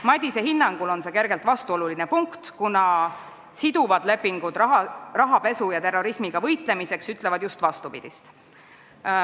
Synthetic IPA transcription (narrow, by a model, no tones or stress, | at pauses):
mɑd̪ʲise̞ɦinːɑŋɡ̥ulo̞nse̞ːke̞ɾɡ̥e̞lt̪vɑst̪uo̞luline̞puŋkt̪kunɑ | sid̪̥uvɑd̪̥le̞pːiŋɡ̥ud̪̥rɑɦɑpe̞sujɑt̪e̞rːo̞ɾismiɡ̥ɑvɤjt̪ˑle̞mise̞ksyt̪ˑle̞vɑd̪̥just̪vɑst̪upḭd̪̥ist̪